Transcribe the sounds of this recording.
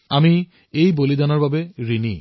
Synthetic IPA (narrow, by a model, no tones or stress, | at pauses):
ami | ejbolidanɔɹbabɛɹini